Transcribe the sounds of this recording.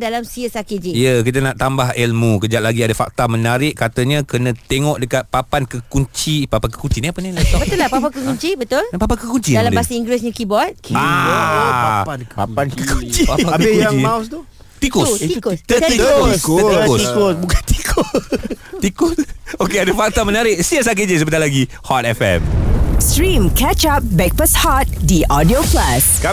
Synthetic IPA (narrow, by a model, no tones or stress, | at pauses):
dalamsiəsakid͡ʒiijək̬it̪anaʔt̪ambaɦɛlmukəd͡ʒaʔ̪̚laɡiadafa̰k̚t̪amə̃naɾɪʔkat̪əɲãkənə̃t̪eŋɔʔdəkat̪̚papankəkuɲt͡ʃipapankə̥kuɲt͡ʃiniapənilat̪ɔbət̪ʊlapapankəkuɲt͡ʃibət̪ʊlpapankəkuɲt͡ʃidaladbasəiŋɡɾɛsɲãkibɔt̪̚ka | aankəkut͡ʃiaaaəjamast̪u | t̪ikosikst̪ət̪ikosk̪oikosbukant̪i̥kʰo | ikʊsokeadafak̚t̪amə̃naɾɪʔsias̬ak̬ɪd͡ʒəs̬əbəd̪alaɡi | hɔt̪̚ɛfɛ̰mstɹĩmkʰɛt͡ʃap̚bɛk̚pəshɔt̪̚diʔɔdioplask